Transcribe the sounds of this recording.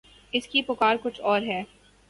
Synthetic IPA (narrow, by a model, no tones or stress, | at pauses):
ɪskipʊkaːɾkʊt͡ʃʰɔːɾɦɛː